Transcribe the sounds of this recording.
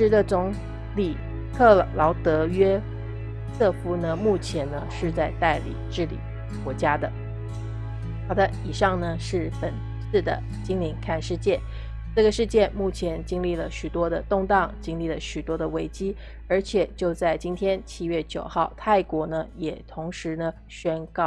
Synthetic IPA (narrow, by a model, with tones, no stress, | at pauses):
ʂɻ̩˧˥d̪ə˧t͡sʊ˧˥ŋ | li˨˩ | kʰɤ˥˩lɑ˧˥ʊt̪ɤ˧˥ɥɛ˥ | sʰɤ˥˩fu˥nə˧mu˥˩t͡ɕʰjɛ˧˥nnə˧ʂɻ̩˥˧t͡sa˥˧ɪt̪a˥˩ɪlḭ˨˩˦ʈ͡ʂɻ̩˥˩lḭ˨˩ | kwɔ˧˥t͡ɕja˥d̪ə˨ | xɑ˧˩ʊd̪ə˧˦i˨˩ʂɑ˥˩ŋnə˩ʂɻ̩˥˩pə˨˩n | sɹ̩˥˩d̪ə̰˩ | t͡ɕi˥ŋli˧˥nkʰa˥˧nʂɻ̩˥˧t͡ɕjɛ˥˩n | ʈ͡ʂɤ˥˩ɡə˩ʂɻ̩˥˧t͡ɕjɛ˥˧nmu˥˩t͡ɕʰjɛ˧˥nt͡ɕi˥ŋli˥˩lə˩ɕy˨˩t̪wɔ˥d̪ə˨t̪ʊ˥˧ŋt̪ɑ˥˩ŋt͡ɕi˥ŋli˥˩lə˩ɕy˨˩t̪wɔ˥d̪ə˨we˧˥ɪt͡ɕi˥ | ə˞˧˥t͡ɕʰjɛ˨˩˦t͡ɕjo˥˧ʊt͡sa˥˩ɪt͡ɕi˥nt̪ʰjɛ˥nt͡ɕʰi˥ɥɛ˥˩t͡ɕjo̰˨˩ʊxɑ˥˩ʊt̪ʰa˥˩ɪkwɔ˧˥nə˧jɛ˨˩t̪ʰʊ˧˥ŋʂɻ̩˧˥nə˧ | ɕɥɛ˥nkɑ˥˩